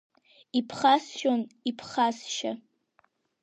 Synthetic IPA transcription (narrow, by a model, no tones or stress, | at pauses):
ipʰχasʃonipʰχasʃa